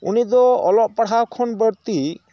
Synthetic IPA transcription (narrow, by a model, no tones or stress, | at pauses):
ṵnid̪ɔɔlɔʔ̚paɽ̤ɦawkʰɔnbəɽt̪i